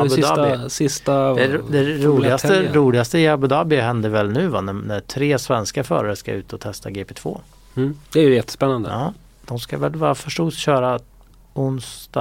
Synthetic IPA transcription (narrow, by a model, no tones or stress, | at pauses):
abʊd̪ːɪsɪst̪ad̪ɛd̪ɛɾuːlɪɡastəɾuːlɪɡast̪əɪabʊd̪ɑːbɪaɦɛnd̪əɾvɛlnʉ̟ːvannæt̪ʰɾeːsvɛnskafœ̰ːɾaɾəska̰ʉ̟ːt̪əɔt̪ʰɛst̪aɡeːpɛːt̪ʰvo̰ː | d̪̥ɛæɾjjɛt̪ːə̥spɛnːand̪ə̰ɑː | d̪̥ɔmskavɛlvɑːɾafœʂʈuːsɕœːɾa | ʊnst̪ː